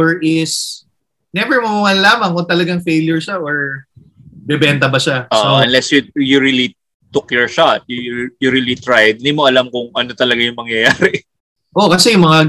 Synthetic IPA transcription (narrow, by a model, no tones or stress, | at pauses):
ɛɹʔɪs | nɛbɛɹmɐmamɐnlaːmɐŋkʊŋt̪ɐlɐɡaŋfejljʊɹʃaʔoɹ | bɛbɛnt̪ɐbɐʃaʔoʔoʔɐnlɛsjʊjʊɹili | t̪ʊkjɔɹʃat̪̚jʊjʊɾilit̪ɹajd̪̚nd̪imoʔɐlamkʊŋʔɐnot̪ɐlɐɡajʊŋmɐŋjɐjaːɾɪ | ʔo̞kɐsɛjʊŋmɐŋa